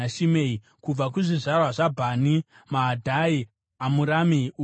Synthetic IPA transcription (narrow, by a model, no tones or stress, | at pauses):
aʃimei | kub͡vakuʐiʐarwaʐabʱaːni | maːdʱai | amuɾameu